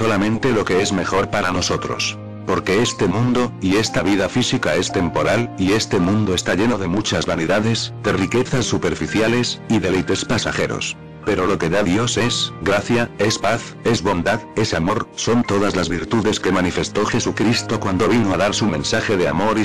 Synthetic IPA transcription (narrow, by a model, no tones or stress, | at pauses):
so̞lamẽ̞nt̪e̞lo̞ke̞ezme̞xo̞ɾpaɾano̞so̞t̪ɾo̞̰s | po̞ɾke̞est̪e̞mũnd̪o̞ie̞st̪aβiðafisikae̞st̪e̞mpo̞ɾalie̞st̪e̞mũnd̪o̞e̞st̪aʝe̞no̞ðe̞mut͡ʃazβaniðaðe̞zðe̞rike̞θasːupe̞ɾfiθjale̞siðe̞lejt̪e̞spasaxe̞ɾo̞̰s | pe̞ɾo̞lo̞ke̞ðaðjo̞se̞sɡɾaθjae̞spaθ | e̞zβo̞nd̪aðe̞samo̞ɾso̞nt̪o̞ð̞azlazβiɾt̪uðe̞ske̞manife̞st̪o̞xe̞sukɾist̪o̞kwand̪o̞β̞inoaðaɾsumẽ̞nsaxe̞ðeamo̞ɾi